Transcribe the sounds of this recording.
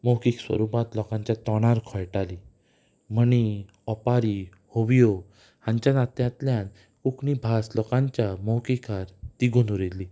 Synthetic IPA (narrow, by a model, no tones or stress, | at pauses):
mɔwkikswə̰ɾupat̪lɔkãɲt͡ɕjat̪ɔɽ̃aɾkʰɔjʈali | məñi | ɔpaɾi | hoʋijo | hãɲt͡ɕanat̪jãt̪ljãn | kuknibʱaslɔkãɲt͡ɕjamɔwkikaɾt̪iɡunuɾilːi